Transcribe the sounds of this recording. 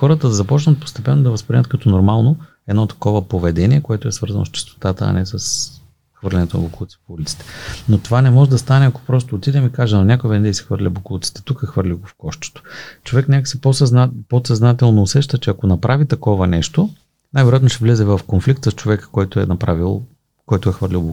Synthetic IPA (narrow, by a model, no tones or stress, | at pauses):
xɔɾət̪əd̪ɐzɐpɔt͡ʃnɐt̪̚po̥st̪ɛpɛnːod̪ɐvɐspɾinʲət̪̚kɐt̪ɔnoɾmalˠno | ɛd̪nɔt̪ɐ̥kɔvəpovɛd̪ɛniɛkoɛt̪ʊɛsvəɾzɐno̰st͡ʃɛ̥st̪o̥t̪at̪əɐ̰nɛsəs | xvəɾlʲɛnɛt̪onɐ̰boklˠut̪si̥pulit̪si̥t̪ɛ̥not̪ovanɛmɔʒɛd̪ɐst̪anɛɐko̥pɾɔs̬t̪oːt̪id̪ɛmikaʒɛnɐnʲakʊivɛnɛd̪ɛsɛ̥xvəɾlʲəbokolˠut̪si̥t̪ɛ̥t̪ukəxvɤɾlʲiɡofkɔʃt̪o̥t̪o̥t͡ʃovɛknʲakə̥siposposɐznat̪ɛlˠnoːsɛʃt̪ət͡ʃɛɐkonɐpɾavit̪ɐkɔvɐnɛʃt̪o | najvɛɾoʊjat̪noʃɛvlɛzɛvɐfkonflik̚t̪səst͡ʃovɛkə̥kɔjt̪oɛ̰nɐpɾavilˠ | kɔjt̪oɛxvəɾlʲilˠbo